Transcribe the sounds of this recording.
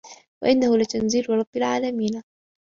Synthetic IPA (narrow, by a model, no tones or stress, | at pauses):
wa̰ʔɪnːahʊlat̪anziːɾɾˤɑbːalʕaːlamiːn